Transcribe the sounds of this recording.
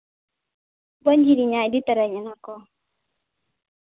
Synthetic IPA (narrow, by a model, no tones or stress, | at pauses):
bɔɲd͡ʒiɾiɲaiditɛɾɛɲɛnakɔ